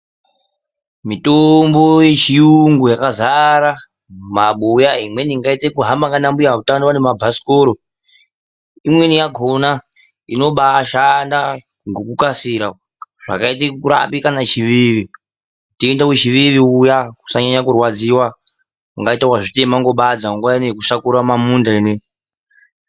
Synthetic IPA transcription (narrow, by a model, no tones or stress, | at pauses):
mitombojet͡ʃijuŋɡujakazaɾa | maɓojaimweniŋɡaitekuɦambaŋɡanambujautanowanemabʱasi̥koɾo | imwenijaɡʱona | ino̞ɓaːʃanda | ŋɡokukasiɾa | ʐ̥a̰kaitekuɾa̰pikanat͡ʃiʋiʋi | tiendaut͡ʃiʋiʋiujaku̥saɲaɲakurwad͡ziwa | uŋɡaitakwaʐitemaŋɡo̞ɓad͡zaŋɡwaanekusakuɾamamundaene